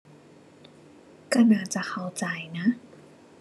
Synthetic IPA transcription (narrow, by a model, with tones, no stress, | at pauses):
ka˥˧˩naː˧˩t͡ɕa˨˩xʰa˧˩wt͡ɕa˧˩jna˦˥ʔ